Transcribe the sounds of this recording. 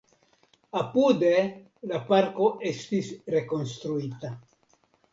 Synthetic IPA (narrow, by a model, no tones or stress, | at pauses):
apud̪e̞ | lapaɾko̞ʔe̞st̪isɾe̞ko̞nst̪ɾuit̪a